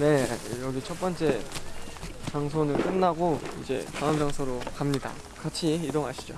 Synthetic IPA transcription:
ne̞jʌɡit͡ɕʰʌp͈ʌnt͡ɕ͈e̞ | t͡ɕaŋsʰonɯɭk͈ɯnːaɡoid͡ʑe̞̰kaʌmd͡ʑaŋsʰoɾokamɲida̰ | kat͡ɕʰiidoŋɦaɕʰi̥d͡ʑo̰

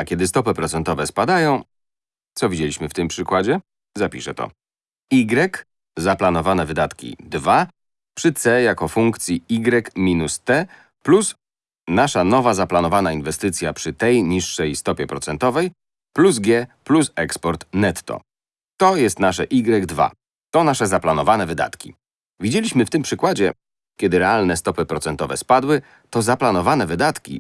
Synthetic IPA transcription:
akʲɛd̪ɘst̪ɔpɘpɾɔt̪sɛnt̪ɔvɛspad̪ajɔ̃w̃ | t̪sɔvʲid͡ʑelʲiɕmɘft̪ɘmpʂɘkwad͡ʑɛ | zapʲiʂɛt̪ɔ̰ | iɡɾɛk | zaplanɔvanɛvɘd̪at̪kʲḭd̪va | pʂɘt̪sɛjakɔfuŋkt̪sʲjiiɡɾɛkmʲinust̪ɛ | plus | naʂanɔvazaplanɔvanainvɛst̪ɘt̪sʲjapʂɘt̪ɛjɲiʂːɛjst̪ɔpʲjɛpɾɔt̪sɛnt̪ɔvɛj | pluzɡʲjɛplusɛkspɔɾt̪nɛt̪ːɔ̰ | t̪ɔjɛst̪naʂ̬ɛ̰ʔiɡɾɛɡd̪va̰ | t̪ɔnaʂɛzaplanɔvanɛvɘd̪a̰t̪kʲḭ | vʲid͡ʑelʲiɕmɘft̪ɘmpʂɘkwad͡ʑɛ̰ | kʲɛd̪ɘɾɛalnɛst̪ɔpɘpɾɔt̪sɛnt̪ɔvɛspad̪wɘ | t̪ɔzaplanɔvanɛvɘd̪at̪kʲḭ

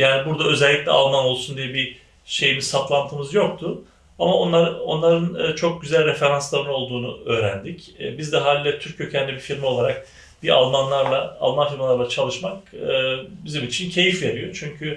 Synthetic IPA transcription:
jaːnibuɾd̪aø̞zɛlʲːiclʲɛ̰a̰lˠmano̞lˠsund̪ijɛbi | ʃe̞jimizt̪ʰap̪lˠant̪ʰɯmɯzjo̞k̚t̪ʰʊ | amao̞nlˠaɾɯo̞̰nlˠaɾɯnɯt͡ʃʰo̞k̚ɟyzælʲɾefe̞ɾanslˠaɾɯno̞lˠd̪uːnuø̞ːɾænd̪icːbizd̪ɛɦaːlʲilʲɛt̪ʰyɾc̚ʰːøcʰænd̪ɛbifilʲmio̞lˠaɾak̚ | bia̰lˠmanlˠaɾlˠaa̰lˠmanfilʲmalˠaɾlˠat͡ʃʰalˠɯʃmakɯːbizimit͡ʃʰincʰe̞jifveɾijo̞t͡ʃʰyɲcʰy

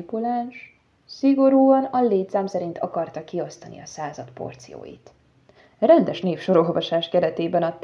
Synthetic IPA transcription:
pulaːnʃ | siɡo̞ɾuːɒnɒleːt̪saːmsɛɾint̪ʰɒ̰kɒrt̪ɒkio̞st̪ɒnʔḭɒsaːzɒt̪po̞̰rt̪sijo̰ːjḭt̪ | rɛnd̪ɛʃneːfʃo̞ɾo̞lvɒʃaːʃkɛɾɛt̪eːbɛnɒt̪

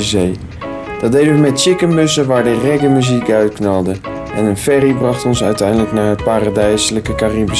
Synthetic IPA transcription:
əzej | d̥ɑdejdəʋəmɛtt͡ʃɪkəmɵsəʋaːɹdərɛɡəmyzikœɥtknɑlˠdə | ɛnənfɛribrɑχtɔnsœɥtɛjndələknaːɹɦət̚paːɾadɛjsələkəkaribə

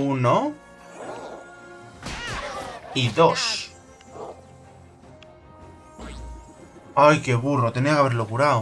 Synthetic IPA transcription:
uno | iðo̞s | ajke̞βurnot̪eniakaβeɾlokuɾaw

